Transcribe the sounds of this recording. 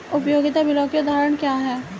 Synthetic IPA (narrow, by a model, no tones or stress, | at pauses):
ʊpjoːɡɪt̪abɪlõːkeʊd̪ʱaːɾəɽ̃kjaːɦɛː